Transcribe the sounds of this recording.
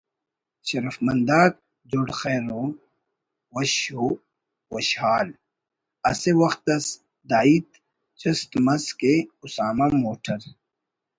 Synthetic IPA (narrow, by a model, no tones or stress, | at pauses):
ɕɐɾɐfmɐnd̪aːk̚ | d͡ʑoɽxeːɾõ | wɐɕo | wɐɕhaːl | ɐ̰sewɐxt̪ɐs | d̪aːit̪ | t͡ɕɐst̪mɐzkeusaːmamoːʈʰɐɾ